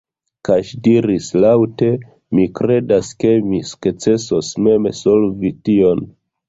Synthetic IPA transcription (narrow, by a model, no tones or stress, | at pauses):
kaʃdiɾislawte̞ | mikɾe̞daske̞misu̥kt͡se̞sosme̞mḛso̞lvitio̞n